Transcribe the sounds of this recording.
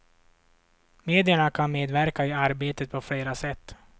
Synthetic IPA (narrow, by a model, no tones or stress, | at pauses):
meːd̪ɪəɳakʰanmeːd̪væɾkaɪaɾbeːt̪ət̪̚pʰɔfleːɾasɛt̪ː